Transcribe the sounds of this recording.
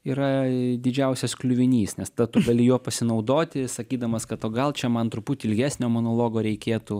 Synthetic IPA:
iːɾɐd̪ʲɪd͡ʒʲɛʊsʲɛsklʲʊʋʲɪnʲiːsnʲɛst̪ɐd̪ɐt̪ʊɡɐlʲɪjuɔpɐsʲɪnɐʊd̪oːt̪ʲɪsɐkʲiːd̪ɐmɐskɐt̪oːɡɐlˠt͡ʃʲɛmɐnt̪ɾʊpuːt̪ʲːɪlʲɡʲæːsʲnʲoːmoːnoːlˠoːɡoːɾʲɛɪkʲeːt̪u

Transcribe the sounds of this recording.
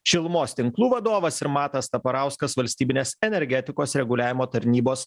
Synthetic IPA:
ʃʲɪlˠmoːst̪ʲɪŋklˠuːʋɐd̪oːʋɐsɪɾmɑːt̪ɐst̪ɐpɐɾɑˑʊskɐsʋɐlʲsʲt̪ʲiːbʲɪnʲeːsɛnʲɛɾʲɡʲæt̪ʲɪkoːsɾʲɛɡʊlʲæːʋʲɪmoːt̪ɐɾʲnʲiːboːs

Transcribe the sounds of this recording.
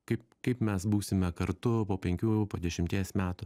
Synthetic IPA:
kɐɪp̚kɐɪpmʲɛsbuːsʲɪmʲɛkɐɾt̪ʊpoːpʲɛŋʲkʲuːpoːd̪ʲɛʃʲɪmʲt̪ʲiɛsmʲæːt̪ʊ

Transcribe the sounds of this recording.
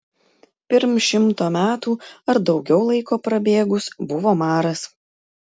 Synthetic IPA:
pʲɪɾmʃʲɪmt̪oːmʲæːt̪uːɐɾd̪ɒʊɡʲɛʊlˠɐɪkoːpɾɐbʲeːɡʊsbʊʋoːmɑːɾɐs

